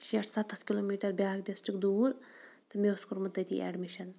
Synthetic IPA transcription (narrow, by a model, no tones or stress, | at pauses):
ʃeʈʰsɐt̪ʰːɐskiloːmiːʈɐɾbʲjaːkɖisʈɾikd̪uːɾ | t̪ɨmeskuɾmɨt̪ːɐjt̪ḭʔɛ̰ːɖmiʃɐn